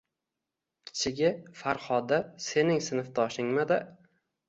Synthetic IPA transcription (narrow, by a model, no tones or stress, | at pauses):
kʲʰɪ̥t͡ʃʰɪɡʲɪfaɾχɒd̪ase̞nɪŋsɪnɨfd̪ʰɒʃɪŋmad̪a